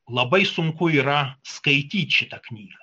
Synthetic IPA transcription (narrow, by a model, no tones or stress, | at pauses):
lˠɐbɐɪsʊŋkʊiːɾɐskɐɪt̪ʲiːt̪ʲʃʲɪt̪ɐknʲiːɡɐ